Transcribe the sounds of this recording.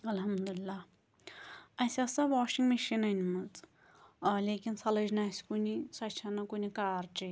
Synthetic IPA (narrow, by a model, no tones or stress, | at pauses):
ɐlɦɐmd̪ulilːa | ɐsʲasɐʋaːʃiŋɡmiʃinɐnʲmɨt͡s | lʲeːkinsɐlɐd͡ʒnasʲkunisɐt͡ʃʰanɐkunikaːɾt͡ʃi